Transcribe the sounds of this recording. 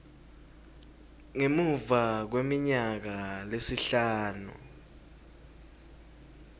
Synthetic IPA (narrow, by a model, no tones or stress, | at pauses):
ŋemuvak̬wemiɲak̬alesiɬaːnṵ